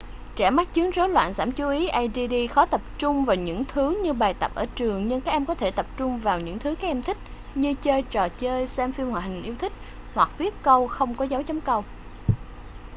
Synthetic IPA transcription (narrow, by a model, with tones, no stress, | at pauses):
t͡ɕɛ˧˩ma˦˥k̚t͡ɕɨ˨˦əŋzo˨˦lwa̰ː˧˨nzaː˧˩mt͡ɕu˨˦ʔi˨˦ʔa˧jzi˧ɗi˧xɔ˨˦t̪ə˨˩p̚t͡ɕʊ˧ŋ͡mvaː˨˩wɲɨ̰˧˥ŋt̪ʰɨ˨˦ɲɨ˧ɓaː˨˩jt̪ə˨˩p̚ʔəː˧˩t͡ɕɨ˨˩əŋɲɨ˧ŋkaː˦˥k̚ʔɛ˧mkɔ˨˦t̪ʰe˧˩t̪ə˨˩p̚t͡ɕʊ˧ŋ͡mvaː˨˩wɲɨ̰˧˥ŋt̪ʰɨ˨˦kaː˦˥k̚ʔɛ˧mt̪ʰï˦˥k̟̚ɲɨ˧t͡ɕəː˧jt͡ɕɔ˨˩t͡ɕəː˧jsɛ˧mfi˧mhwa̰ː˧˨˩ɦï˨˩ŋ̟ʔi˧əwt̪ʰï˦˥k̟̚ | hwa˨˩k̚vi˦˥ət̚kə˧wxə˧wŋ͡mkɔ˨˦zaː˨˦wt͡ɕɔ˨˦wŋ͡mkə˧w